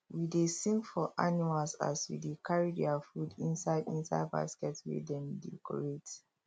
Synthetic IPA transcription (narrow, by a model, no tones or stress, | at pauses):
widesĩŋɡfɔʔanimalsa̰swḭdekʰaɹidɛafudĩnsaɪdĩnsaɪdba̰skɛtswḭdɛ̃mdɛkɔ̰ɹet